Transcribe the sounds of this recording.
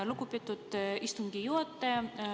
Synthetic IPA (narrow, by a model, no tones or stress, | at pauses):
lukupit̪ːut̪ist̪uŋɡijuot̪ːe